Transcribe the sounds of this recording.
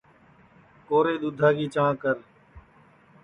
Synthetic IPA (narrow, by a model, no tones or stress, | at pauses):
koːɾeːɗ̪ʊd̪ʱaːɡiːt͡ʃãːkəɾ